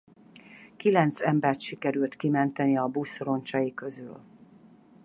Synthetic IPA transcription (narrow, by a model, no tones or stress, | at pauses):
kilɛnt̪sɛmbɛrt̪ʃikɛɾylt̪kimɛnt̪ɛniɒbusro̞nt͡ʃɒjikø̞zyl